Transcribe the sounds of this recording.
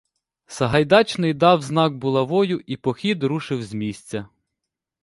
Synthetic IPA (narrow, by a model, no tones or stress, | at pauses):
sɐɦɐjd̪ɑt͡ʃnɪjd̪ɑwznɑk̚bʊlˠɐʋɔjʊʔipɔxʲid̪ɾuʃɪwzʲmʲisʲt͡sʲɐ